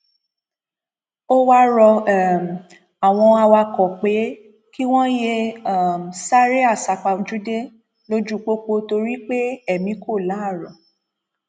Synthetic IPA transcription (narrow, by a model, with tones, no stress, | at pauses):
o˦wa˦ɾɔ˧˦˨m˨ | a˨w̃ɔ̃˧a˧wa˧kɔ˨k͡pe˨˦ | ki˦w̃ɔ̃˦je˧a˨m˨sa˦ɾe˦a˦˨sa˨k͡pa˧˦d͡ʒu˦de˦ | lo˧d͡ʒu˦˨k͡po˦k͡po˧to˧ɾi˦k͡pe˦ɛ˦˨mĩ˨˦ko˦˨la˨˦˨ɾɔ˨